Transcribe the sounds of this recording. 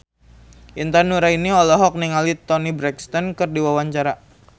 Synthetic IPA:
ʔint̪anuɾainiɔlɔɦɔk̚niŋalit̪ɔnibɾɛkst̪ɔnkɨrdiwawaɲt͡ʃaɾa

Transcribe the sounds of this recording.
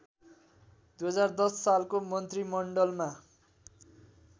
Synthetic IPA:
d̪ujɦʌd͡zard̪ʌsːalkomʌnt̪rimʌɳɖʌlma

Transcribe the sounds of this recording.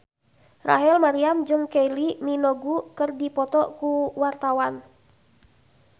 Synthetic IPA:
ra̰ɦɛlmaɾiamd͡ʒɨŋkejliminɔɡukɨrdipɔt̪ɔkuwart̪awan

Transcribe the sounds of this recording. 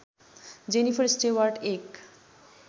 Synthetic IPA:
d͡ʑenifʰəɾsʈewaɾɖek

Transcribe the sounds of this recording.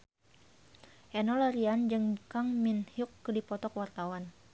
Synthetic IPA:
ʔɛnɔlaɾiand͡ʒɨŋkaŋminhiukːədipɔt̪ɔkwart̪awan

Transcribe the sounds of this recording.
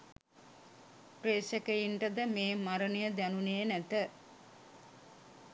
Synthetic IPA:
preːsəkejiɳʈəd̪əmeːmaɾənəjəd̪ænuneːnæt̪ə

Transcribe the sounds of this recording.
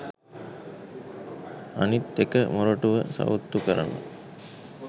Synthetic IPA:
anit̪ːekəmuɾoʈuʋəsa̰ʋut̪ːukəɾa̰la̰

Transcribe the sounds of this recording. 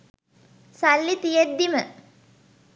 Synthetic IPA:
salːit̪ijed̪ːimə

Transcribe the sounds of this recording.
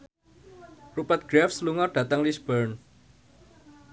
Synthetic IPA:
rupat̪̚ɡ̥ɾafsluŋɔrd̥a̤t̪aŋlisb̥ərn

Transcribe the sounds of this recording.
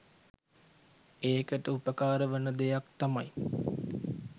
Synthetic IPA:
eːkəʈəupəkaːɾəʋənəd̪ejakt̪amaj

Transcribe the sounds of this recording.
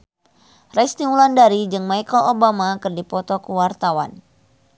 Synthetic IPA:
rɛjst̪iŋulandaɾid͡ʒɨŋmajkəlobamakɨrdipɔt̪ɔkəwart̪awa̰n

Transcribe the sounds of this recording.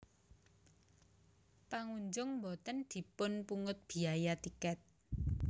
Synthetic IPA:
paŋuɲd͡ʒʊŋmbɔt̪ənd̪̥i̤pʊnpuŋʊt̪̚b̥i̤ajat̪ikɛt̪̚

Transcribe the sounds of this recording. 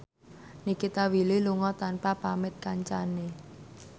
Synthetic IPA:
nikit̪awililuŋɔt̪anpapamɪt̪̚kaɲt͡ʃane

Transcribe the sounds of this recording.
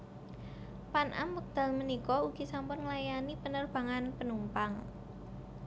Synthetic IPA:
panʔa̰mwək̚d̪̥a̤lmənikɔuɡ̥i̤sampʊnŋlajanipənərb̥a̤ŋanpənumpaŋ

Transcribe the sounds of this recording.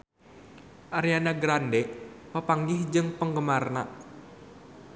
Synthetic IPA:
ʔaɾianaɡɾandɛʔpəpaŋɡɪhd͡ʒɨŋpəŋɡəmarna

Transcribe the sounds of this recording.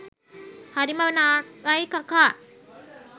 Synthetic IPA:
haɾimawənakajkaka

